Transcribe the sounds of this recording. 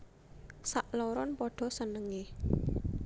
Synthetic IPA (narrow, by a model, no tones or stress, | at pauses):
saʔlɔɾɔnpɔɖ̥ɔ̤sənəŋe